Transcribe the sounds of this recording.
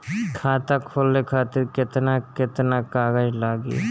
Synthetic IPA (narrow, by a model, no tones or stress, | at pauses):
kʰaːt̪akʰoːlːekʰaːt̪ɪɾkɪt̪nakɪt̪nakaːɡəd͡ʒlaːɡḭː